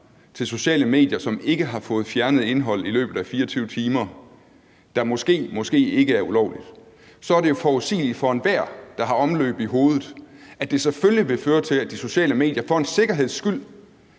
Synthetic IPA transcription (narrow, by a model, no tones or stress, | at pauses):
t͡sʰe̝lso̝ɕɛ̰ːləme̝̰ːd̥jɐsɒ̽me̝ɡ̥əɦɑ̈fɔ̽ːð̩ˠfjæɐnəð̞̩ˠe̝nɦɒ̽l̰ilø̰ːb̥ð̩ˠæfiːɐɒt͡sʰyʊ̰t͡sʰiːmɐ | d̥ɑ̈mɒ̽sɡ̥e̝̰ːmɒ̽sɡ̥e̝̰ːe̝ɡ̥əæɐulɒʊ̰lid̥ | sɒ̽æɐɾe̝jo̝fɒuðsḭːlid̥fɒ̽enʋæɐ̰d̥ɑ̈ɦɑ̈ʔɒ̽mlø̰ːb̥iɦo̝ːð̞ˠð̩ˠæd̥e̝seføljiʋe̝føːɐt͡sʰe̝læd̥iso̝ɕɛ̰ːləme̝̰ːd̥jɐfɒ̽e̝nse̝ɡ̥ɐɦe̝ð̞̰ˠsɡ̥yl̰